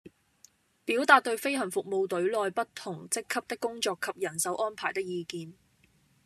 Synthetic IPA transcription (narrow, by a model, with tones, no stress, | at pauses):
piː˨˥wt̪aː˨t̚t̪ːɵ˧ɥfe˥jɦɐ˨˩nfʊ˨k̚mo˧wt̪ɵ˨˥ɥlɔː˧jpɐ˥t̚t̪ʰʊ˨˩ŋt͡sɪ˥kʰːɐ˥p̚t̪ɪ˥kːʊ˥ŋt͡sɔː˧kʰːɐ˨p̚jɐ˨˩nsɐ˨˥wʔɔː˥npʰaː˨˩jt̪ɪ˥k̚jiː˨˧kiː˧n